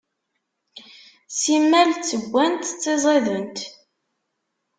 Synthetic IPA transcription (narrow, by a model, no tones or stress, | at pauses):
simːælt͡sːəɡʷːænt̪t͡sːezˤeðənt̪